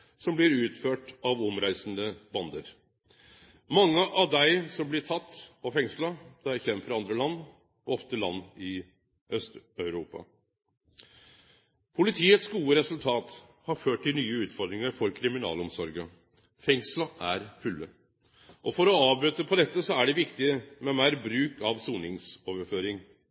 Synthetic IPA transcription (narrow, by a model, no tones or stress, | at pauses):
sɔmblɪɾʉːt̪føːʈɑʋɔmɾæɪsənd̪əbɑnd̪əɾ | mɑŋːəʔɑʋd̪æɪsɔmblɪʈʰɑt̪ːɔfɛŋslɑd̪̥ɛæçɾɛmːfɔɾɑnd̪ɾəlɑnː | ɔɔft̪əlɑ̰nːɪ | œst̪œʉɾuːpɑ̰ | pʰʊlɪt̪ʰiːət̪sɡuːəɾɛsʉlt̪ʰɑːt̪hɑɾføːʈtɪlnyːəʉːt̪fɔɾd̪ɾɪŋəɾfɔɾkʰɾɪmɪnɑ̰ːlɔmsɔɾɡə | fɛŋslɑʔæɾfʉlːə | ʔɔfɔɾɔɑːbɾʉːt̪əpʰɔd̪ɛt̪ːəsɔæɖɛʋɪkt̪ɪmɛmæɪɾbɾʉːkɑʋsuːnɪŋsoːʋəɾføːɾɪŋ